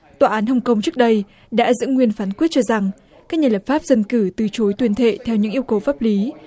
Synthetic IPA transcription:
t̪waː˧˩ʔaː˨˦nɦə˧wŋ͡mkə˧wŋ͡mt͡ɕɨ˦˥k̚ɗə˧j | ɗa̰ː˧˥zɨ̰˧˥ŋwi˧ənfaː˨˦nkwi˦˥t̚t͡ɕɔ˧za˨˩ŋ | ka˦˥k̚ɲaː˧˩lə˨˩p̚faː˦˥p̚zə˧nkɨ˧˩t̪ɨ˨˩t͡ɕo˨˦jt̪wi˧˩ənt̪ʰḛ˧˨t̪ʰɛ˧wɲɨ̰˧˥ŋʔəwkə˨˩wfaː˦˥p̚li˨˦

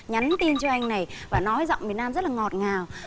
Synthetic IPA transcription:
ɲa˨˦nt̪i˧nt͡ɕɔ˧ʔa˧jŋ̟na˨˩jvaː˨˩nɔ˨˦jzɔ̰˧˨ŋ͡mvi˨˩ət̚naː˧mzə˦˥t̚laː˨˩ŋɔ˨˩t̚ŋaː˨˩w

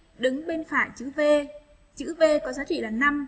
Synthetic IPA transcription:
ɗɨ˨˦ŋɓe˧nfaː˧˩jt͡ɕɨ̰˧˥ve˧ | t͡ɕɨ̰˧˥ve˧kɔ˨˦zaː˨˦t͡ɕḭ˧˨laː˨˩na˧m

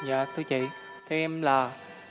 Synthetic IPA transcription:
ɲa̰ː˧˨t̪ʰɨ˧t͡ɕḭ˧˨ | t̪ʰe˨˧ɛ˧mlaː˨˩

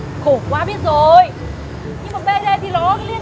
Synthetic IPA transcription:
ko˧˩kwaː˧ɓi˦˥ət̚zo˨˩j | ɲɨ˧ŋmaː˨˩ɓe˧ɗə˧jt̪ʰi˨˩lɔ˨˦˧li˧ən

